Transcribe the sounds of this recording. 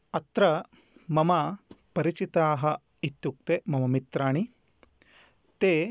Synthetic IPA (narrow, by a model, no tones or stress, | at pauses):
ɐt̪ɾɐ | mɐmɐpɐɾit͡ʃit̪aːɦɐ̆ | it̪juk̚t̪emɐmɐmit̪ɾaːɳi | t̪eː